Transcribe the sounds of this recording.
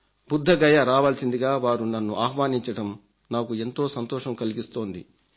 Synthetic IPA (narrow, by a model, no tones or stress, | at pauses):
bud̪ʱːɐɡɐjɐɾaːʋaːlɐsind̪iɡaːʋaːɾunɐnːuʔaːɦʋaːniɲt͡ʃɐɽɐm | naːkue̞nt̪o̞ːsɐnt̪ɔːʃɐmkɐliɡist̪o̞ːnd̪ḭ